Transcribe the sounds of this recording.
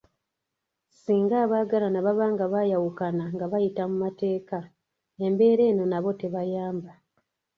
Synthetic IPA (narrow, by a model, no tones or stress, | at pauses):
siːŋɡaːβaːɡalanaβaβaːŋɡaβajawukanaŋɡaβajitamumate̞ːka | e̞mbe̞ːɾe̞ːno̞naβo̞te̞βajaːmba